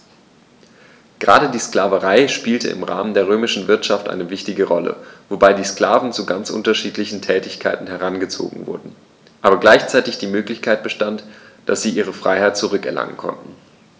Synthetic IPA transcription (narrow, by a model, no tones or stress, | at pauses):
ɡ̥əʁa̰ːɾədiːsklaːvəʁaɪʃpiːltə̰ɪ̰mʁa̰ːməndeːɐʁ̞øːmɪʃn̩vɪɐtʃaftʔa̰ɪnəvɪçtɪɡəʁɔlə̰vobaɪdiːskl̥aːvn̩t͡suɡant͡sʔʊ̰ntɐʃiːtlɪçn̩tʰɛːtɪçkʰaɪtn̩hɛʁanɡət͡so̰ːɡŋ̩vʊ̰ɐdn̩ | ʔaːbɐɡlaɪçt͡saɪtɪçd̥iːmøːklɪçkʰaɪt̚b̥əʃtantd̥asz̥iːʔiːʁ̞əfʁ̥aɪhaɪt̚t͡suʁ̞ʏkɛɐlʔa̰ŋə̰nkʰɔ̰ntn̩